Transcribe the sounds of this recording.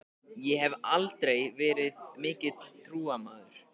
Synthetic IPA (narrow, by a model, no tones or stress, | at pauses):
jɛɦɛvalt̪ɾejvɛːɾɪðmɪːcɪt̪t̪ʰːɾuːamaːðʏɾ̥